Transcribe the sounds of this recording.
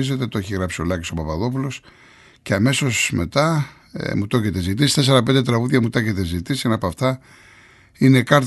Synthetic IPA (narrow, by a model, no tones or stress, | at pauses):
ize̞t̪e̞t̪oeçiɣɾɐpsio̞lɐciso̞pɐpɐðo̞p̬ulo̞s | ceɐme̞so̞sme̞t̪ɐ̰ | mut̪o̞cet̪e̞zit̪isist̪es̬e̞ɾɐp̬end̪et̪ɾɐɣuðʝɐmut̪ɐcet̪ezit̪isenɐpɐft̪ɐ | inekɐɾt̪